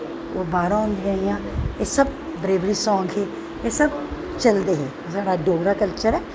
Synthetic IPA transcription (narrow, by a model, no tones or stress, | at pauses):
oːbaːɾãːɦʊ̃nd̪ĩaːijãːeːsəb̚bɾeːʋɾiːsɔ̃ːŋɡɦeː | eːsəb | t͡ʃəld̪eːɦeː | saːɽaːɖoːɡɾaːkəlt͡ʃəɾɛː